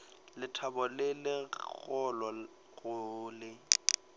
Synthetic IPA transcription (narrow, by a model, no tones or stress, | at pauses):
lɪtʰabɔlɪlɪɣɔlɔ | ɣʊːlɪ